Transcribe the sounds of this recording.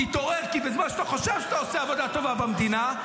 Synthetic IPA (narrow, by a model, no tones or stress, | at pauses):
it̪oʁeʁkibezmanʃat̪aχoʃev̥ʃat̪aoseavod̪at̪o̞vabamd̪ina